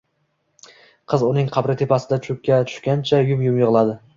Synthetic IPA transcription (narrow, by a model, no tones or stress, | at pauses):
qʰɨzʊnɪŋqʰɑbɾɪt̪ʰe̞pʰasɪd̪at͡ʃʰʊkʲːat̪ʰʊ̥ʃkʲant͡ʃʰajʊmjʊmjɨʁlˠad̪ɪ